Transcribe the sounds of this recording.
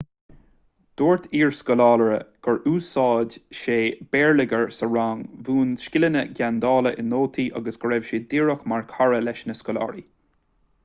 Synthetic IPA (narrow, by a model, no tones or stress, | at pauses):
d̪̥oːɹt̪ʰiːɹskɔlɑːləɹə̰ɡ̥əɹʔuːsɑːdʃeːb̥ɛːɹlɪɡəɹsəɹaŋvuːnʃkɪlənəɡʲand̪ɑːləʔɪnoːt̪ʰiːʔaɡəsɡ̥əɹɛvʃiːd̪iːɹəxmaɹkʰaɹəlɛʃnəskɔlɑ̰ːɹi